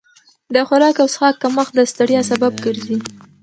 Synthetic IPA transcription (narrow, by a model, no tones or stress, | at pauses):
d̪əxʊɾɑkawsxɑkːaməxd̪əst̪aɽjɑsabab̚ɡəɾzi